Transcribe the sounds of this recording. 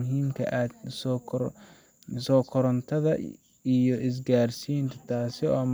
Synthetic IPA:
ʊɦiːmkʰɐ̰ʔaːd̪sɔkʰ | sɔːkʰɔɾɐnt̪ʰɐðɐ | ijɔʔɪs̬ɡaːrsiːnt̪ʰɐt̪ʰaːsɪɔːm

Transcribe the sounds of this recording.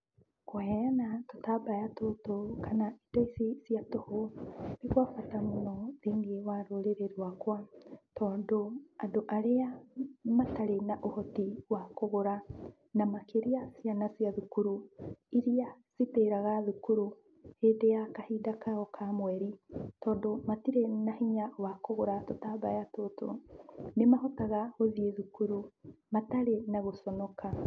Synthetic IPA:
kwaɛanatotabajatotokanaid̥ɔisisiatohonekwakwatamonɔðeːŋɡiewaɾoɾeɾeɾwakwatɔːndoandoʔaɾeamataɾenaʔohɔtiwakoɣoɾa | namakeɾiasianasiaðukuɾuiɾiasiteːɾaɣaðukuɾu | heːdejakahidakaɔkʰamwɛɾitɔːndomatiɾenahiɲawakoɣoɾatotabajatoto̰nemaɦotaɣaɣoðieðukuɾumataɾenaɣosɔnɔka

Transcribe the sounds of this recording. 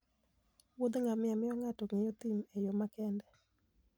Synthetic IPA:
wod̪ŋamɪamɪɔŋatɔŋejot̪imejɔmakɛndɛ

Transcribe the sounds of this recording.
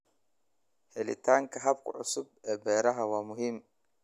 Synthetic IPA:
hɛlɪ̰t̪ʰaːŋkʰɐɦɐb̚kʰʊ̰ʕʊ̰sʊbɛːbɛːɾɐɦɐwɑːmʊɦiːm

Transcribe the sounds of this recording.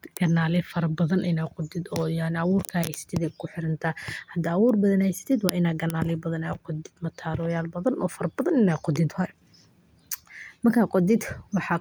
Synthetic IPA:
ɡ̥ɐnaːlɪfɐɾɐbɐðɐnʔɪnɛjqʊd̪ɪd̪ɔːjanɪɐwuːrkʰɐhɛjsɐ̥t̪ʰɛd̪ɛːkʰʊħɪɾɐnt̪ʰɐhɐd̪ɐːwuːrbɐðɐnhɛjsɐ̥t̪ʰɛːd̪wɑːʔɪnaːd̪̚ɡɐnaːlɪbɐðɐnɛːqɔd̪ɪd̪mɐt̪ʰaːɾɔjaːlbɐðɐnʔɔːfɐɾɐbɐðɐnɪnɛːqɔd̪ɪd̪hɔɛ | mɐrkʰaːqɔd̪ɪd̪wɑħɑː

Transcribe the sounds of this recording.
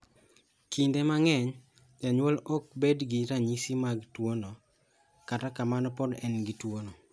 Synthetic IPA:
kindemaŋɛɲ | d͡ʒaɲwolɔk̚bedɡiɾaɲisimaɡtwono | katakamanɔpɔdɛnɡitwonɔ

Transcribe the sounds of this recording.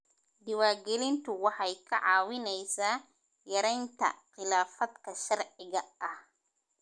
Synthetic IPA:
d̪ɪwaːɡɛlɪnt̪ʰʊwɑħɑjkʰɐʕɑːwɪnɛjsaː | jɐɾɛjnt̪ʰɐ̰qɪlaːfɐd̪kʰɐʃɐrʕɪɣɐɐh

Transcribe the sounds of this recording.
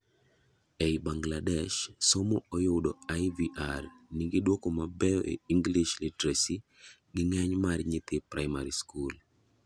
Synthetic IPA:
ɛjbaŋɡladɛʃsomoojʊdɔajviʔarnɪɡɪdwokomabɛɔʔḛiŋɡliʃlitɾesi | ɡɪŋɛɲmarɲɪt̪ɪpɾaɪma̰ɾiskul

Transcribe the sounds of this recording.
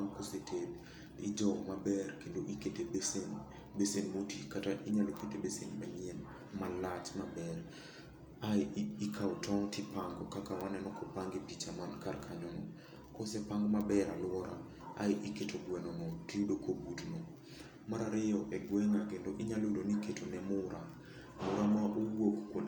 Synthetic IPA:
ŋkosetʰed | ḭd͡ʒɔmabɛrkendoʔiketeben | besenmotikataʔiɲaloketebesenbɛmɪɛn | malat͡ʃmabɛr | aikʰawtɔŋtɪpaŋɡɔkakawanɛnɔkopaŋɡepit͡ʃamankarkʰaɲɔnɔ | kɔsɛpaŋɡmabɛɾalʊwɔɾa̰ | a̰ɪʔɪketʰoɡwɛnɔnɔtiudokʰobutnɔ | maɾaɾɪjɔʔɛɡwɛŋakendoʔɪɲalodoniketonɛmʊɾʔa | mʊɾamaʔowokkwon

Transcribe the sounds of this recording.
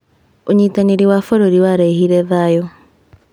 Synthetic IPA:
oɲiːtaneɾiwafɔɾoɾiwaɾaihiɾɛðajɔ

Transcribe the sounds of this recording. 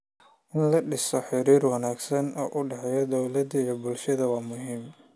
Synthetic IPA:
ʔɪnlɐɖɪsɔħɪɾiːrwɐnaːɡsɐnɔːʔʊɖɛħɛjɔd̪ɔwlɐd̪ɐjɔbʊlʃɐðɐwɑːmʊɦiːm

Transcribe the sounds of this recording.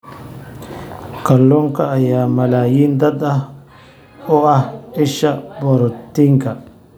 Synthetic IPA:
kɐlːɔŋkɐːjaːmɐlaːjiːnd̪ɐd̪ɐh | ɔɐhɪʃɐbɔɾɔt̪ːiŋkɐ

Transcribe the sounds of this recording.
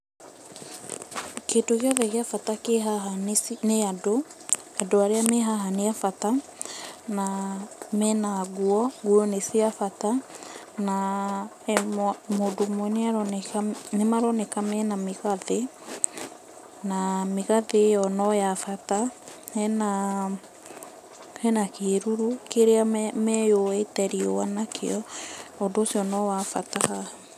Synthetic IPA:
ketoɣjɔðɛɣeafatakeɦaɦanneado | adoaɾeameɦaɦaneafata | namɛnaɡuɔɡuɔnesiafata | na | modomoɛneaɾ | nemaɾɔnɛkamɛnameɣaðe | nameɣaðejɔnɔjafataɛna | hɛnakeːɾuɾukeɾeamɛjoɛtɛɾiowanakʰḛɔodoːsiɔnɔwafataha

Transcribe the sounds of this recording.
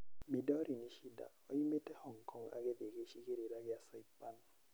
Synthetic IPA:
midɔɾiniʃida̰o̰jimetɛhɔŋkʰɔŋa̰ɡedekeʃikeɾiɾaɡɪasɔipːan

